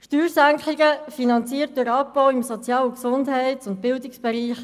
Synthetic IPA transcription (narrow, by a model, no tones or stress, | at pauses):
ʃtyːɾsæŋkχliɡəfinɑnt͡siːət̚dʊɾɑpb̥ɔwɪmsɔt͡sjɑːləksʊndɦɛɪtʊnt̚b̥ɪldɪksb̥ɛɾiːχ